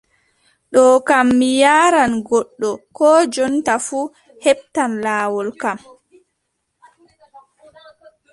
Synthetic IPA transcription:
ɗɔːkamːijaːɾanɡɔɗːɔkɔːd͡ʒɔntafuː | hɛɓ̚tanlaːwɔlkam

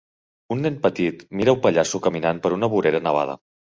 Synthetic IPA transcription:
unːenpət̪it̪miɾəupəʎasukəminanpəɾunəβuɾeɾənəβ̞a̰ð̞ə̰

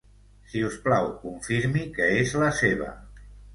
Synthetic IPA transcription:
siusplawkuɱfiɾmikəezləseβ̞ə̰

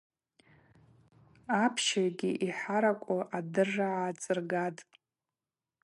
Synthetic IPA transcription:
apʰʃarɡʲiʔiħaɾakʷʼʊʔadɨrːaaːt͡sʼɨrɡatʼ

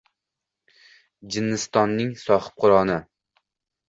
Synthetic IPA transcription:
d͡ʒɪnːɪst̪ɒnːɪŋsɒhɪ̥p̚qʰʊɾɒnɪ

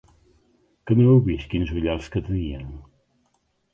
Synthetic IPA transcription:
kəneewβiskinzuʎalˠskət̪əniən

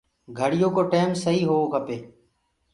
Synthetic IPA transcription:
ɡʱəɽɪjõːkoːʈeːmsəɦiːɦoːoːkəpeː

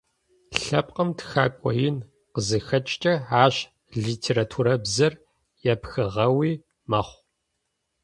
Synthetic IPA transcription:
ɬɐpʼqʼəmtʰxa̰ːkʷʼɔ̰jɪn | qəzɨxɐt͡ʃʼt͡ʃʼɐaːɕ | ɮiːtʰeːɾaːtʰuɾɐbzɐr | jɛpxɨʁɐwiː | mɐχʷ

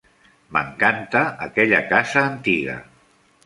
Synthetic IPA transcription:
mə̰ŋkant̪əːkɛʎəkazəːnt̪iɣə̰

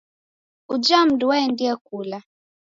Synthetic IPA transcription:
ud͡ʒam̩duwaɛndiakula

